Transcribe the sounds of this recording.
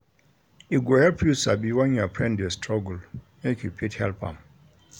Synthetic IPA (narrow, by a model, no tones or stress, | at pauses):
iɡohɛlpʰjusabiwãnjuapʰɹɛ̃ndestʰɹɔɡul | jekʰjupʰithɛ̰lpã̰m